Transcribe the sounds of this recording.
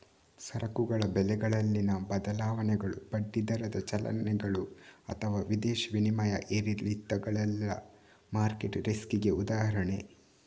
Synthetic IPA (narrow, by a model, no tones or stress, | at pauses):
sɐɾɐkuɡɐɭɐbɛlɛɡɐɭɐlːinɐbɐd̪ɐlaːʋɐnɛɡɐɭupɐɖːid̪ɐɾɐd̪ɐt͡ʃɐlɐ̰nːɛɡɐɭuɐ̰t̪ʰɐʋaːʋid̪eːʃʋinimɐjɐ̰ʔeɾilit̪ːɐɡɐɭɛlːɐ̰ | maːɾkeʈɾeskiɡe̞ud̪aːɦɐɾɐɳe